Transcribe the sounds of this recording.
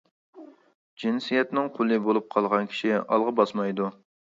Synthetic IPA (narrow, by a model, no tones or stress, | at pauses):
d͡ʒinsijɛt̪nɪŋqʰolˠɨbolˠup̚qʰɑlˠʁɑnkʲʰi̥ʃiɑ̰lˠʁɑbɑsmɑjd̪u